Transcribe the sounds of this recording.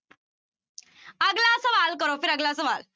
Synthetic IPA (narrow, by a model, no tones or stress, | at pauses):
aɡlaəsəʋalkəɾofiɾəɡlaəsəʋal